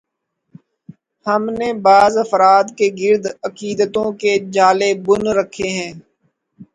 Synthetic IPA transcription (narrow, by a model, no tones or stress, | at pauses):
həmnebaːzɐfɾaːd̪keɡɪɾd̪ɐkiːd̪ət̪õked͡ʒaːlebʊnɾəkʰeɦɛ̃ː